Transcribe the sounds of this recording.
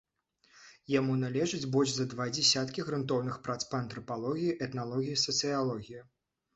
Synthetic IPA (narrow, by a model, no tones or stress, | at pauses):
jamunalʲɛʐɨd͡zʲbɔlʲʂzɐd̪vad͡zʲɛsʲat̪kʲiɣɾɨnt̪ɔwnɨxpɾat̪spɐɐnt̪ɾɐpalˠɔɣʲijiʔɛt̪nalˠɔɣʲijisɐt̪sɨjalˠɔɣʲiji